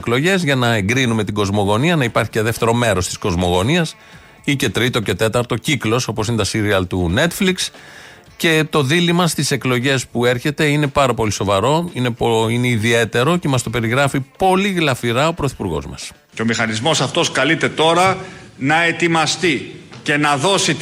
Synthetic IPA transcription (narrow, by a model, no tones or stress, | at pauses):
klo̞ʝe̞zʝɐnɐe̞ŋɡɾinume̞t̪iɡo̞zmo̞ɣo̞niɐnɐipɐɾçiceðeft̪e̞ɾo̞me̞ɾo̞st̪i̥sko̞zmo̞ɣo̞niɐs | ice̞t̪ɾit̪o̞ce̞t̪e̞t̪ɐɾt̪o̞ciklo̞so̞posinet̪ɐsiɾiɐlt̪une̞t̪fliks | ce̞t̪o̞ðilimɐst̪ise̞klo̞ʝe̞spue̞ɾçe̞t̪e̞ine̞pɐɾɐpo̞liso̞vɐɾo̞ine̞poineiðie̞t̪e̞ɾo̞ce̞mɐst̪o̞pe̞ɾiɣɾɐfipo̞liɣlɐfiɾɐo̞pɾo̞θi̥puɾɣo̞̰zmɐ̰s | ceomixɐnizmo̞sɐft̪o̞skɐlit̪e̞t̪o̞ɾɐnɐet̪imɐst̪ice̞nɐðo̞si